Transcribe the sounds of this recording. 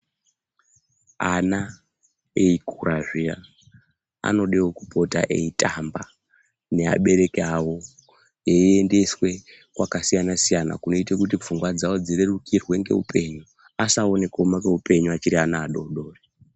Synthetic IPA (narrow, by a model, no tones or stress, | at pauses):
ana | eikuraʐia | a̰no̞ɗeokupo̞ta̰ʔeitʰʼamba | ne̞a̰ɓe̞ɾe̞keawo̞ | jeende̞swe̞ | kwakasijanasijana̰kuno̞itekut̬ip͡fuŋɡwad͡zawo̞d͡zirerukirwe̞ŋɡe̞̰ṵpʰe̞ɲu | asao̞ne̞ko̞makeupe̞ɲuat͡ʃiɾianaːɗo̞ɗo̞ːre